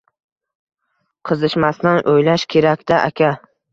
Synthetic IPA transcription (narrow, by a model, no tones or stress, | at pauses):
qʰɨzɪʃmasnanʔojlaʃkʲʰe̞ɾakʲd̪aʔa̰kʲʰa